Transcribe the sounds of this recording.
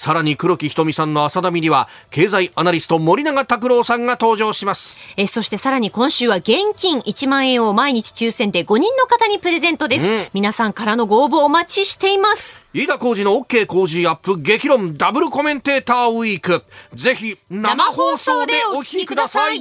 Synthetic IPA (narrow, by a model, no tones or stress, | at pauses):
saɾaɲ̟ikɯ̟ɾo̞kʲiçi̥t̪o̞mʲisãnːo̞asad̪amʲiɲʲiβa | ke̞ːzaiʔanaɾʲisɨ̥t̪o̞mo̞ɾʲinaɡat̪ak̬ɯ̟ɾo̞ːsãŋɡat̪o̞ːʑo̞ːɕimasɨ̥eso̞ɕi̥t̪e̞saɾaɲ̟ikõ̞ɰ̃ɕɨːβaɡẽ̞ŋkʲĩŋʔit͡ɕimãɰ̃ẽ̞ɰ̃o̞maiɲ̟it͡ɕi̥t͡ɕɨːsẽ̞nd̪e̞ɡo̞ɲ̟ĩnːo̞kat̪aɲ̟ipɯ̟ɾe̞zẽ̞nt̪od̪e̞sɨmʲinasãŋkaɾano̞ɡo̞ːboːmat͡ɕiɕi̥t̪e̞imasɨ̥iːd̪ako̞ːʑino̞ːkːe̞ːko̞ːʑiapːɯ̟ɡe̞kʲiɾõ̞nd̪abɯ̟ɾɯko̞mẽ̞nt̪e̞ːt̪aːɯiːkɯ̟ze̞çinaamahoːsoːd̪eookʲi̥kʲikɯd̪asaii